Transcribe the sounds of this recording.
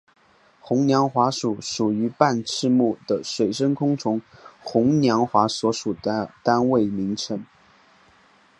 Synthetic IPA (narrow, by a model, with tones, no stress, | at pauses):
xʊ˧˥ŋnjɑ˧˥ŋxwa˧˥ʂu˨˩ʂu˨˩y˧˥pa˥˩˧nʈ͡ʂʰɻ̩˥˧mu˥˩d̪̥ə˩ʂwe˨˩ɪʂə˥ŋkʰʊ˥ŋt͡sʰʊ˧˥ŋxʊ˧˥ŋnjɑ˧˥ŋxwa˧˥swɔ˧˥ʂu˨˩d̪ət̪a˥nwe˥˩ɪmi˧˥ŋʈ͡ʂʰɤ˧˥ŋ